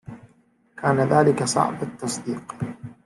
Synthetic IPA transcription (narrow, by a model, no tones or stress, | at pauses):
kʰaːnaðaːlɪkasˤɑ̰ʕbat̪ːɑsˤd̪iːq